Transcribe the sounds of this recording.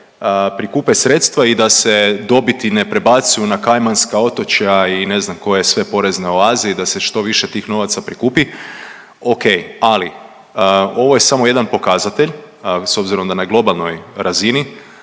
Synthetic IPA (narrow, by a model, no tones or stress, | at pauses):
pɾikuːpesɾe̞t̪st̪ʋaid̪ase̞d̪o̞bit̪ine̞pɾe̞bat̪sujunakajmanskao̞t̪o̞t͡ʃajaine̞znamko̞jeesʋe̞po̞ɾe̞znaoaːziid̪ase̞ʃt̪o̞ʋiʃe̞t̪iːxno̞ʋat̪sapɾikuːpi | o̞kejali | o̞ʋo̞je̞samoje̞d̪anpo̞kazat̪e̞ʎ | so̞bziɾo̞md̪anaɡlˠo̞balˠno̞jɾazini